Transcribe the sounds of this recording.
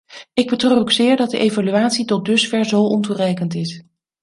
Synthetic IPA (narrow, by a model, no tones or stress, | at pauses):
ɪɡ̚bətroːokzɪːɹdɑt̚dəʔejvalyaːtsitɔt̚dɵsfɛɹzowʔɔnturɛjkəntɪs